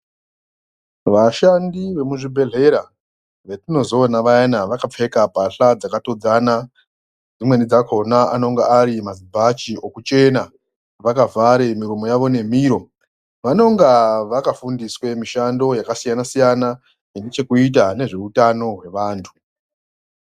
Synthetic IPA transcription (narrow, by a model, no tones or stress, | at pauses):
ʋaʃandiʋe̞muʐibʱe̞ɮe̞ɾa | ʋe̞tino̞zo̞ːnaʋajanaʋakap͡fe̞kapaɬad͡zakato̞d͡zana | d͡zimwe̞nid͡zakʰo̞naano̞ŋɡaaɾimazibʱat͡ʃio̞kut͡ʃe̞na | ʋakavaɾemiɾumojaʋo̞ne̞m̤iːɾo̞ | ʋano̞ŋɡaʋakafundiswe̞miʃando̞jakasijanasijana | endit͡ʃe̞kuit̬ane̞ʐe̞utano̞ɦwe̞ʋaːntʰu̥